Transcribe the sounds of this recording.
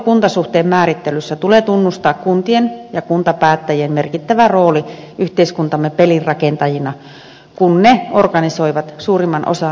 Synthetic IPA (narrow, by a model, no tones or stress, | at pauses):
kunt̪ɑsuht̪eːmmæːɾit̪ːelysːæt̪uleːt̪unːust̪ɑːkkunt̪ienjɑkunt̪ɑpæːt̪ːæjemmerkit̪ːæʋæroːliyht̪eiskunt̪ɑmːepelirrɑkent̪ɑjinɑ | kunneorkɑnisoiʋɑt̪suːrimːɑnʔo̰sɑ